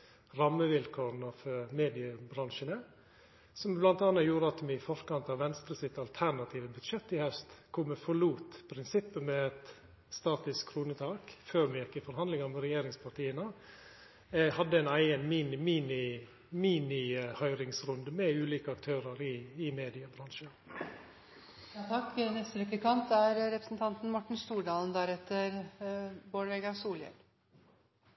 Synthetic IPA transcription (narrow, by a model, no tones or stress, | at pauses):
ɾɑmːəʋɪlkʰoːɾnəfɔmeːd̪ɪəbɾɑŋʃənə | sɔmblɑnt̪ɑːnːɑjuːɾəɑt̪ːmɪfɔɾkɑnt̪ɑʋʋɛnst̪ɾəsɪt̪ɑlt̪ʰæɾɳɑt̪ʰiːʋəbʉd̪ʂɛt̪ːɪhɛst̪kʰʊməfɔɭuːt̪pʰɾɪnsɪpːəmɛɛt̪ | st̪ɑːt̪ɪskkʰːɾuːnət̪ʰɑːkføːɾmɛjɪkːɪfɔɾhɑnd̪lɪŋɑmɛɾɛjeːɾɪŋspʰɑʈiːənə | hɑd̪ːəɛɪnæɪənmiːnɪmiːnɪ | miːnɪhœʏɾɪŋsɾʉnd̪əmɛʉːliːkəɑkt̪ʰøːɾəɾɪɪmeːd̪ɪəbɾɑnʂə | t̪ʰɑkːnɛst̪əʋɛkːəkʰɑnt̪æɾɾɛpɾəsnt̪ʰɑnt̪n̩mɔʈːɳ̩st̪uːɖɑːlənd̪æɾɛt̪ʰːəɾ | boːɽʋɛɡɑʋsuːljə̰n